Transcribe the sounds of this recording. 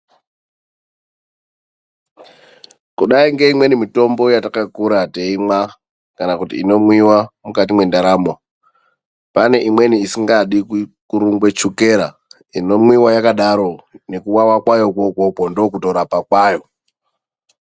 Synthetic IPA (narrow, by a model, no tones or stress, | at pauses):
kuɗaiŋɡe̞imwe̞nimito̞mbo̞jatakakuɾateimwa | kanakutiːno̞mwiwamukat̬imwe̞ndaɾamo | pane̞ʔimwe̞niisiŋɡaɗikuɾuŋɡwe̞t͡ʃuke̞ɾa̰ | ino̞mwiwajakaɗaɾo̞ne̞kuwawakwajo̞kokopondo̞kuto̞ɾapakwaːjo